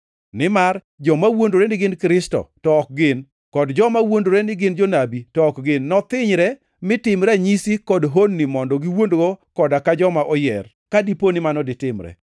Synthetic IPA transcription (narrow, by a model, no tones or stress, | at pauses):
nɪmar | d͡ʒɔmawondoɾɛnɪɡɪnkɾɪstɔ̰tɔːk̚ɡɪn | kɔdd͡ʒɔmawondoɾɛnɪɡɪnd͡ʒonabitɔːkɡɪnːɔt̪ɪɲɾɛ | mɪtɪmɾaɲisikɔdɦonːimɔndɔɡiwondɡokɔdakad͡ʒɔmaʔɔjɛ̰r | kadiponɪmanɔdɪtɪmɾɛ̰